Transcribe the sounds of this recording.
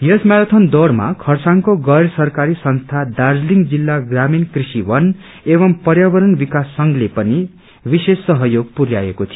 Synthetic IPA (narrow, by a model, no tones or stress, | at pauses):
jʌsmaɾʌt̪ʰʌnd̪orma̰kʰʌrsaŋkoɡʌjɾsʌrkaɾisʌnst̪ʰad̪ard͡zliŋɡd͡zilːaɡraminkrisiwʌn | eβʌmpʌrjabʌɾʌnbikasːʌŋɡlepʌni | bisesːʌɦʌjoɡ̚purja̰jḛkot̪ʰi